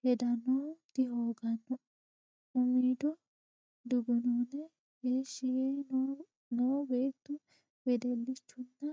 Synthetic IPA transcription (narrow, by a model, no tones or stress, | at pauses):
hɛd̪ɐnɔd̪̥ɪɦoːɡɐnːɔ | ʊmiːd̪ɔ | d̪ʊɡʊnoːnɛ | ɡeːʃɪjɛj | nobeːt̪ːʊ | bɛd̪ɛlːɪt͡ʃːʊnːɐ